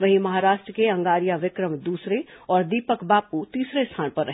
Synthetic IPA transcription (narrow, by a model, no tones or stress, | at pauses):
ʋɐɦĩmɐɦaːɾaːʃʈɾəkeɐ̃ŋɡaːɾijaʋɪkɾəmd̪uːsɾeɔːɾd̪iːpəkbaːput̪iːsɾest̪ʰaːnpɐɾːɐɦ